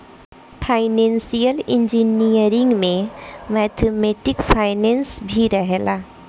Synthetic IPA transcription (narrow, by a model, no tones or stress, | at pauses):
pʰaːɪnẽːnsijəlɪ̃ɲd͡ʒinijəɾɪ̃ŋɡmẽmɛːt̪ʰemeːʈɪkpʰaːɪnɛ̃ːnsbʱiɾɛɦlaː